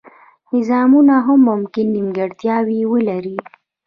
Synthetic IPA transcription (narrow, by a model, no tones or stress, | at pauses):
nɪzɑmunaɦamːʊmkɪnːimɡaɽt̪jɑwiwəlaɾi